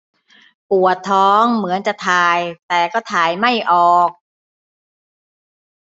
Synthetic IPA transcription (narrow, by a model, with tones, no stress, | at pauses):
pu˨˩ət̪ʰːɔː˦˥ŋmɯ˩˦ənt͡ɕa˨˩ʔt̪ʰaː˨˧˩jt̪ɛː˨˩kɔː˥˩t̪ʰaː˨˩jma˥˩jʔɔː˨˩k̚